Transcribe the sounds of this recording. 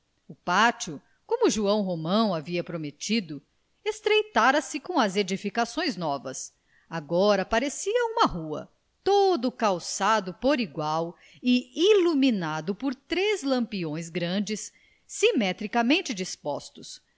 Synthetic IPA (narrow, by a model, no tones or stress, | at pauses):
ʊpat͡ʃʊ | kõmʊʒuɐ̃w̃ɦomɐ̃w̃aviɐpɾomet͡ʃid̪ʊ | est̪ɾejt̪aɾɐsɪkõɐzed͡ʒifikasõj̃znɔvɐ̰s | aɡɔɾɐpaɾesiɐũmɐɦuɐ̰ | t̪od̪ʊkawsad̪ʊpoɾiɡwaw | ɪiluminad̪ʊpoɾt̪ɾezlɐ̃mpiõj̃zɡɾɐ̃d͡ʒɪsː | imɛt̪ɾikɐmẽnt͡ʃɪd͡ʒispɔ̰st̪ʊs